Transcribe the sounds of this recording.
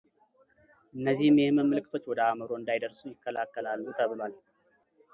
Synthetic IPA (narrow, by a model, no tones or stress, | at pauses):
ʔɨnːəzːihmjɛhməmːɨlɨkʼɨt̪ʰo̞t͡ʃːwɔd̪əaməɾo̞ɨnd̪ajd̪əɾsujɪkːəlakːəlalːut̪ʰəβɨlwal